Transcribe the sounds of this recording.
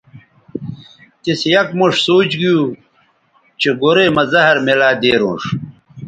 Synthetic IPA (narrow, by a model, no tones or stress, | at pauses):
t̪isjɐkmuʂsoːt͡ɕɡiju | t͡ɕeɡoɾemɐzɐɦɐɾmelaːd̪eːɾṵ̃ːʂ